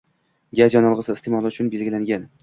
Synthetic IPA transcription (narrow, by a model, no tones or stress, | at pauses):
ɡʲazjɒnɒlˠʁɨsɪɪst̪ʰemɒlˠɪʊt͡ʃʰʊnbe̞lɡʲɪlaŋɡʲan